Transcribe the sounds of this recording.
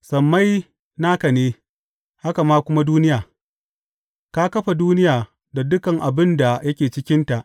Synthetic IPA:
sɐ˨mːa˦j | naː˦ka˨neː˦ | ha˦ka˨maː˦kʷʊ˦ma˦duː˦nɪ˦jaː˨ | ka˦kɐ˦ɸa˨duː˦nɪ˦jaː˨ | da˨dʊ˦kɐ˨ŋʔa˨bɪ˦nda˨jɐ˦kʲeː˨t͡ʃɪ˦kʲɪ˦nta˨ʔ

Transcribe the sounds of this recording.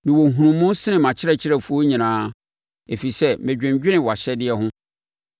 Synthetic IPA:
mɪ̃˨wɔ˨ŋ̩˨ɦũ˨ũ˨mːʊ̃˦n˦sɪ˦nɪ̃˨mã˨t͡ɕʰɪ˦ɾɛ˨t͡ɕʰɪ˦ɾɛ˨fu˨˦o˦ɲĩ˨nãː˦ | e˨fi˨sɛ˦mɪ̃˨d͡ʑᶣɪ̃˨ɲd͡ʑᶣɪ˦nɪ̃˨wɔ˨a˨ɕɛ˦dɪ˦ɛ˦ɦʊ̃˦

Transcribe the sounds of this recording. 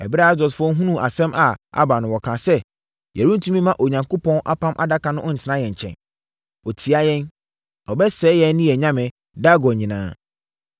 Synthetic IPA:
ɛ̰˨bɾɛ˦a˦zɔ˨sfʊ˦ɔ˦ŋ˦ɦũ˦nũ˦˨ʔa˨sɛ̃˦ma˨a̰˦ba˨nʊ̃˨wɔ˨kʰã˨sɛ˦ | jæ˨ɾũ˦n̩˦tʰũ˦mĩ˦mã˦ʔo˨ɲã˨ŋko˦pʰɔ̃˦nʔa̰˦pʰã˦mʔa̰˨da˦kã˨nʊ̃˦ʔɔ˦n̩˨tʰɪ˨˦nã˦jɛ̃˨ɲ̩˨t͡ɕʰɛ̰̃˨n | ɔ˨tʰi˨a˦jɛ̃˦n | ɔ˨bɛ˦sɛː˨˦jɛ˦nː˦ĩ˦jɛ˨ɲã˦mɛ̃˨ | da˦ɡɔ˨ɲĩ˨nã̰ː˦

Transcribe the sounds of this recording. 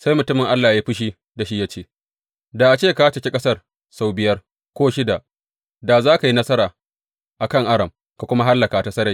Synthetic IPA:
sa˦jmʊ˨tʊ˦mɪ˨ŋʔa˦lːaː˨jaː˦ɸɪ˦ʃ̬iː˦ | da˨ʃi˦ja˦t͡ʃeː˦ | da˨ʔa˨t͡ʃeː˦˨ka˦t͡ʃɐ˨kʲe˦kʼɐ˦sɐ˦r | sa˨wbɪ˨jɐ˦r | kʷoː˦ʃɪ˦da˨ʔ | da˨zaː˦ka˨ji˦nɐ˦sɐ˦ɾaː˨ | ʔa˨kɐ˦˨ŋʔa˦ɽɐ˨m | ka˨kʷʊ˦ma˦ɦa˦lːɐ˨ka˨ta˨˦sɐ˦ɾa˨

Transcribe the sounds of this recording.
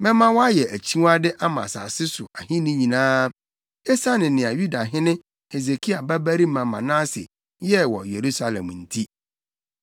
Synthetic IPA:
mɛ̃˦mã˦wɔ˦a˦jɛ˨ʔæ˨t͡ɕʰi˦wa˦dɪ˦ʔa˦mã̰˨sa̰ː˨sɪ˦sʊ˨ʔa˨ɦĩ˦nɪ̃˦ɲĩ˨nãː˦ | e˦sa˦nɪ̃˨nɪ̃˨a˨ju˦da˨ɦɪ̃˦nɪ̃˦ | e˨ze˨kʰi˦a˨bæ˦bæ˦ɾi˦mã˨mã̰˨nã˦sɪ̰˨ | jɛ˦wɔ̰˨je˨ɾu˦sa˦lɛ̰̃˨mn̩˨tʰi˦

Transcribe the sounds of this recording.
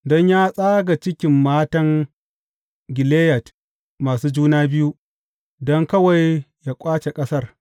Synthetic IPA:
dɔ˦ɲjaː˦sʼaː˦ɡa˨t͡ʃɪ˦kʲɪ˨mːaː˦tɐ˦ŋ | ɡʲɪ˨leː˦jɐ˨t | maː˨suː˦d͡ʒuː˦naː˦bɪ˦ju˦ | dɔ˦ŋkɐ˦wa˨jjaː˦kʷʼaː˦t͡ʃe˨kʼɐ˦sɐ˦r

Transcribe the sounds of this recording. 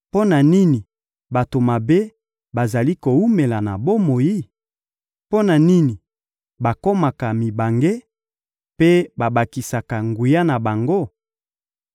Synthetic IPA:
po˦na˨ni˦ni˨ | ba˨to˨ma˨be˦ | ba˨za˨li˦ko˨u˦me˨la˨na˨bo˦mo˨ji˦ | po˦na˨ni˦ni˨ | ba˨ko˦ma˨ka˨mi˨ba˨ŋɡe˦ | pe˦ba˨ba˨ki˨sa˨ka˨ŋɡu˨ja˦na˨ba˨ŋɡo˦˨

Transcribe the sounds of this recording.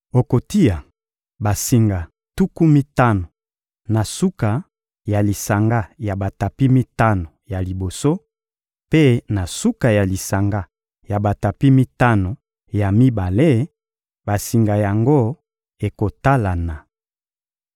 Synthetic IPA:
o˨ko˨ti˦ja˨ | ba˨si˨ŋɡa˨ | tu˦ku˦mi˦ta˦no˨ | na˨su˦ka˨ | ja˨li˨sa˨ŋɡa˦ja˨ba˨ta˨pi˦mi˦ta˦no˨ja˨li˨bo˨so˦ | pe˦na˨su˦ka˨ja˨li˨sa˨ŋɡa˦ | ja˨ba˨ta˨pi˦mi˦ta˦no˨ | ja˨mi˦ba˨le˦ | ba˨si˨ŋɡa˨ja˨ŋɡo˦ | e˨ko˨ta˦la˨na˨

